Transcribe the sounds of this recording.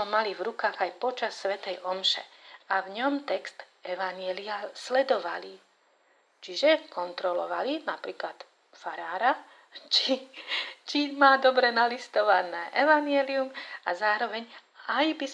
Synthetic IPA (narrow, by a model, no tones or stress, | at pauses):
ɔmalivɾukaːɣajpɔt͡ʃasːʋɛt̪ɛjʔɔmʃɛ̰avɲɔmt̪ɛkst̪ | ɛʋaɲjɛliaslɛd̪ɔʋa̰li | t͡ʃiʒɛkɔnt̪ɾɔlɔ̰ʋa̰linapɾiːklat̪ | faɾaːɾa | t͡ʃi | t͡ʃimaːd̪ɔbɾɛnalist̪ɔʋanɛːʔɛʋaɲɪɛliumazaːɾɔʋɛɲ | ajbis